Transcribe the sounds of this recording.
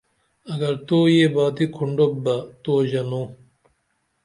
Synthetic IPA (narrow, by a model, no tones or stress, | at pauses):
ɐɡɐɾt̪oːjebaːt̪ikʰuɳɖobɐt̪oːʑɐnõ